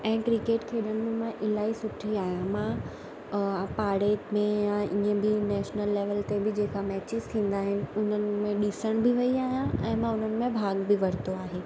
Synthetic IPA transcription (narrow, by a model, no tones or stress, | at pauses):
ɛ̃ːkɾɪkeːʈkʰeːɗəɽ̃ɪ̆mẽmãʔɪlaːisʊʈʰiaːɦijãmã | paːɽemẽjãʔiːə̃bɪnɛːʃnəlːeːʋəlt̪ebɪd͡ʑeːkamɛːt͡ɕɪz̥t̪ʰĩːn̆d̪aːɦɪnɪ̆ʊn̤ənɪ̆mẽɗɪsəɽ̃bɪʋɐiaːɦijãɛ̃ːmãʊn̤ənɪ̆mẽbʱaːɡbɪʋɐɾ̤ɪt̪oaːɦeː